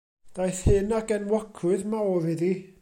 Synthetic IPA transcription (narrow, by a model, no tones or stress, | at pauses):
d̥ajθhɨnaɡɛnwɔkʰʊɨðmaɔɾiði